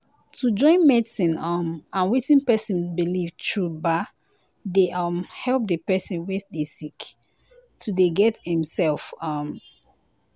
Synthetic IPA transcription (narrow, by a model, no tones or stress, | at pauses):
tʰud͡ʒɔ̃ɪ̃nmɛdsĩnʌmãnwetĩnpɛsĩnbilivtʰɹuba | deʔʌmhɛlˠp̚dəpɛsĩnwedesik | tʰudeɡɛthĩmsɛlˠfʌm